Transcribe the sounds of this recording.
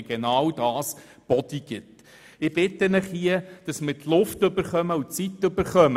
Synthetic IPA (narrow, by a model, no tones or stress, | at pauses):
ɡ̥enɑwd̥ɑːs | b̥ɔd̪̥iɡ̥ɪt | ɪb̥ɪt̪ːənɪχhiəd̥ɑsmətlʊftɵbəɾχœməutt͡sit̪ːɵbəɾχœm